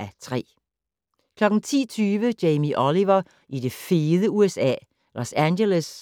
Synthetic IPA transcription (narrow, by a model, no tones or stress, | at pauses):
ʔæt͡sʰʁɛ̰ː | kʰlɒ̽ɡ̥n̩t͡sʰḭːt͡sʰyːʋəd͡ʒeɪmiʔɒliʋɐ | ʔid̥e̝fiːðˠəuesɛ̰ː | lʔosænɡeləs